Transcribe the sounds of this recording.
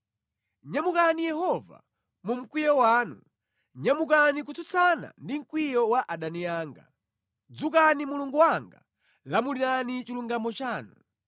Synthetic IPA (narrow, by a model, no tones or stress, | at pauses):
ɲamukanijɛhɔva̰ | mum̩kwijɔwaːnṵ | ɲamukanik̬utʰut͡sʰana̰ndiŋ̩kwijɔwaʔaɗaniaːŋɡa̰ | d͡zukanimuluŋɡuwaŋɡa̰ | lamulinanit͡ʃiluŋɡamɔt͡ʃaːnu